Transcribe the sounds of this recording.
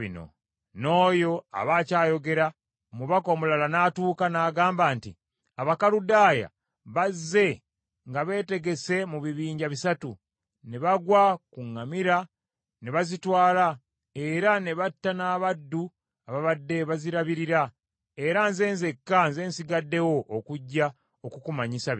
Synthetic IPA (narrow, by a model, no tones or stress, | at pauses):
ino̰ | no̞ːjo̞a̰βaːcaːjo̞ɡe̞ɾa | omuβako̞ːmulalanaːtuːkanaːɡaːmbaːntḭ | aβakaludaːja̰ | βazːe̞ | ŋɡaβe̞ːte̞ɡe̞se̞muβiβiːɲɟaβisatu | neβaɡwakuŋːamiɾa | neβazitwaːla | e̞ɾane̞βatːanaːβadːu | aβaβadːe̞βaziɾaβiɾiɾa | e̞ɾanze̞ːnzekːanze̞ːnsiɡadːe̞wo̞ʔokuɟːa | okukumaɲisa